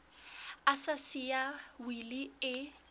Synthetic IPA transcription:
asasijawiliɪ

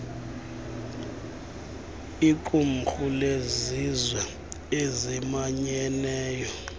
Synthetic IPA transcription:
ikʼum̩xulezizwɛ | ezimaɲɛnɛːjɔ

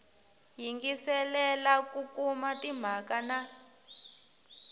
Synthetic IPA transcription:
jiŋɡisɛlɛlakukumatim̤akana

